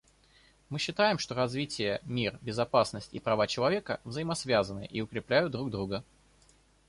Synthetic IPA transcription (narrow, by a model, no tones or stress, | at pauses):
mɨɕːɪt̪ajɪmʂt̪o̞ɾɐzvʲitʲɪjəmʲirbʲɪzɐpasnəsʲtʲḭpɾɐvat͡ɕɪlˠɐvʲe̞kəvzəjɪmɐsvʲazənɨə̰ʔiʊkɾʲɪplʲæjʊt̪̚d̪ɾuɡ̚d̪ɾuɡə